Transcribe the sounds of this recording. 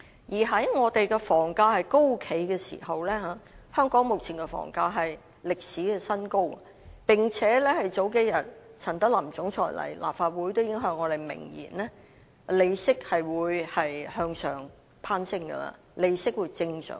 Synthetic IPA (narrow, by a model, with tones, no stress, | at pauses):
jiː˨˩ɦɐ˨˥jŋɔː˨˧t̪e˨jkɛː˧fɔː˨˩ŋkaː˧hɐ˨jko˥wkʰe˨˥jkɛː˧sḭː˨˩hɐ˨wlɛː˥haː˨˧˦hœː˥ŋkɔː˨˥ŋmʊ˨k̚t͡sʰiː˨˩nkɛ˧fɔ̰ː˨˩ŋkaː˧ɦɐ˨j | lɪ˨k̚siː˨˥kɛː˧sɐ˥nko˥w | pɪ˨ŋt͡sʰɛː˨˥lɛ˥hɐ˨jt͡so˨˥wk̬e˧˥jjɐ˨˩t̚t͡sʰɐ˨˩nt̪ɐ˥lɐ˨˩mt͡sʊ˨˥ŋt͡sʰɔ̰ː˨˩jlɐ̰˨˩jlʔa̰ː˨p̚faː˧t̚wu˨˥jt̪o˥wjɪ˨˥ŋɦœː˧ŋːɔː˨˧ɾe˨jmɪ̰˨˩ŋjḭː˨˩nlɛː˥ | le˨˧jsɪ˥k̚hɐ˨jwuː˨˧jhɐ˨jhœː˧ŋsœ̰ː˨˩ŋ | pʰaː˥nsɪ˥ŋɡɐ̰˧la̰ː˧ | le˨˧jsɪ˥k̚wuː˨˧jt͡sɪ˧ŋsœ̰ː˨˩